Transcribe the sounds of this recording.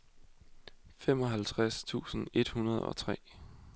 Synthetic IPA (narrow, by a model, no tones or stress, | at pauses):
fem̰ɒ̽ɦælt͡sʰʁast͡sʰṵːsn̩e̝d̥hunɐð̞ˠɒ̽t͡sʰʁɛ̰ː